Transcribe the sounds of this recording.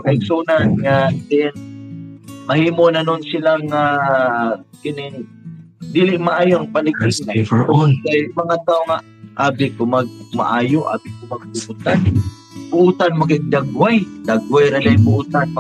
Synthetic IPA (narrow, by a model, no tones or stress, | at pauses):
kaɪɡsuːnanŋadɪn | mɐhiːmonanʊnsɪlaŋa | kɪnɪŋ | d̪iːlɪʔmaʔaːjoaŋpalɪɡɪŋafʔonkajmɐŋat̪aːʔoŋa | ʔaːbɪkʊmɐɡ̚ma̰ʔaːjoʔa̰ːbɪkʊmɐɡ̚bʊʔʊt̪an | bʊʔut̪anmaɡɪŋd̪aɡwajd̪aɡwajɾad̪ajbʊʔuːt̪anm